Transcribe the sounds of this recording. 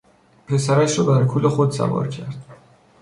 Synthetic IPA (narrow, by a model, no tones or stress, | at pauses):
pʰe̞sæɾæʃɾɒːbæɾkʰulexod̪sæ̰vɒ̰ːɾcʲʰæɾd̪̥̚